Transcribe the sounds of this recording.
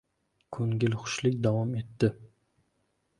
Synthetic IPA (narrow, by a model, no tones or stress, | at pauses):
kʰɵŋɡʲɪlχʊ̥ʃlɪkʲd̪avɒme̞t̪ːɪ